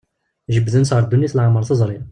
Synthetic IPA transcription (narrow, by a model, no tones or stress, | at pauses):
ʒəbðənsɑɾˤd̪ːunjit̪əlʕaməɾˤθəzˤɾˤi